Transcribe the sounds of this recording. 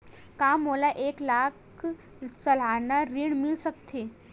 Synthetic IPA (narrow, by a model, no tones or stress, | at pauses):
kamːolaʔeklakʰ | t͡səlanaɾiɳmilsək̚t̪ʰe